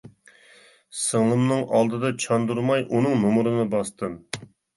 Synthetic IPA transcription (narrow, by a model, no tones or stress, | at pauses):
səŋlˠɨmnɨŋɑlˠd̪ɨd̪ɑt͡ʃʰɑnd̪uɾmɑjʔunɨŋnumuɾɨnɨbɑst̪ɨm